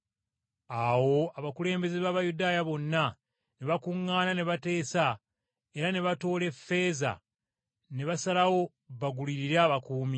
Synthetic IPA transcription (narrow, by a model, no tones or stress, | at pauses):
aːwo̞aβakule̞ːmbe̞zeβaːβajudaːjaβo̞nːa | neβakuŋːaːnane̞βate̞ːsa | e̞ɾane̞βato̞ːle̞fːe̞za̰ | ne̞βasalawo̞ | βaɡuliɾiɾaːβakuːmi